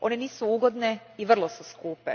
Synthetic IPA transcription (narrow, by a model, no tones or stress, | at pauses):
ʔo̞neniːsuuːɡo̞d̪neiʋr̩lˠosuskuːpḛ